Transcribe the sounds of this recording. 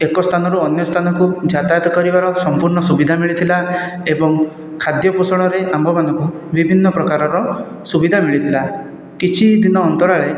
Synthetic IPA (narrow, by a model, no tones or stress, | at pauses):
ekɔst̪ʰanɔɾuɔnjɔst̪ʰanɔkud͡ʒat̪ajɔt̪ɔkɔɾibaɾɔsɔmpuɾɳɔsubid̪ʱamiɭit̪ʰilaebɔŋ | kʰad̪jɔpusɔɽ̃ɔɾeʔambʱɔbanɔŋku | bibʱinːɔpɾɔkaɾɔɾɔ | subid̪ʱamiɭit̪ʰila | kit͡ʃʰid̪inɔːnt̪ɔɭaɭe